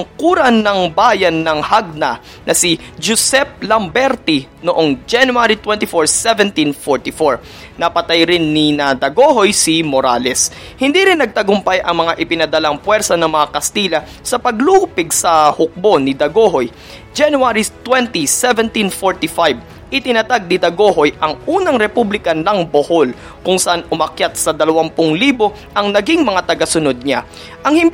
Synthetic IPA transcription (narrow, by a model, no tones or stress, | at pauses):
ɐŋkuːɾɐnːɐŋbaːjɐnːɐŋhaɡ̚nɐ | nʔɐsid͡ʒʊsɛp̚lɐmbɛɾt̪i | noʔoŋd͡ʒanjuaɾit̪wɛ̃nt̪ɪfoɹsɛvɛnt̪infoɹt̪ɪfoɹ | nɐpɐt̪ajɾɪnːinɐd̪ɐɡoɦo̞jsimoɾa̰ːlɛs | hɪnd̪iːɾɪnːɐɡ̚t̪ɐɡʊmpajʔɐ̰ŋmɐŋaʔɪpɪnɐd̪ɐlaŋpwɛɾsɐnɐŋmɐŋakɐst̪iːlɐ | sɐpɐɡlupɪɡsɐhʊk̚bo̞nɪd̪ɐɡoɦo̞j | d͡ʒɛnuaɾit̪wɛnt̪isɛvɛnt̪infoɹt̪ifajb | ʔɪt̪ɪnɐt̪aɡ̚nɪd̪ɐɡo̞ho̞jʔɐŋʔuːnɐŋɾɛpublɪkɐnɐŋboho̞l | kʊŋsɐʔanʔʊmɐkjat̪̚sɐd̪ɐlɐwampʊŋliːbo̞ | ʔɐŋnɐɡiŋmɐŋat̪ɐɡɐsʊnod̪̚ɲa̰ | ʔɐŋhɪn